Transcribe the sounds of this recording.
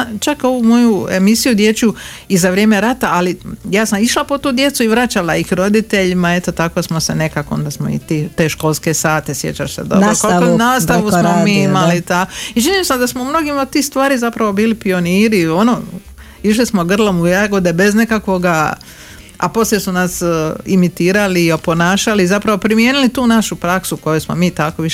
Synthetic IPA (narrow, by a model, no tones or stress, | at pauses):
at͡ʃako̞ʋumo̞jue̞̰misijud̪je̞t͡ɕu | izaʋɾʲje̞ːme̞ɾat̪aalijaːsamiʃlapo̞t̪uːd̪je̞t̪suiʋɾat͡ɕalaixɾo̞d̪it̪e̞ʎimae̞t̪o̞t̪ako̞smosene̞kakoo̰nd̪asmo̞̰ḭt̪iːt̪e̞ːʃko̞lˠske̞saːt̪esje̞̰t͡ɕaʃsed̪o̰ɾoskaaonaːst̪aʋussmomiimalit̪ait͡ʃiniːmsad̪asmoumno̞ɡimaod̪̚t̪iːxst̪ʋaːɾizapɾaʋo̞biːlipio̞niːɾio̞no | iʃ̬lismoɡr̩lˠomuaɡod̪ebe̞zne̞kakʋo̞ɡa | a̰po̞sljesunasimit̪iːɾaliopo̞naːʃaliːzapɾaʋo̞pɾimjeːnilit̪uːnaʃupɾaksuko̞jusmo̰miːt̪ako̞ʋiʃ